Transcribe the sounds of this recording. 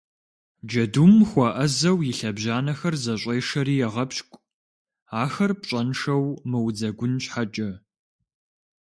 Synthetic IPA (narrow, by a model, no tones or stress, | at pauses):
d͡ʒɐdumxʷɐʔɐzɐwjɪɬɐbʑaːnɐxɐrzɐɕʷʼeːʂɐɾiːjɛʁɐpɕkʷʼ | aːxɐrpɕʼɐnʂɐwmɨwd͡zɐɡʷʊnɕʼħad͡ʒʼɐ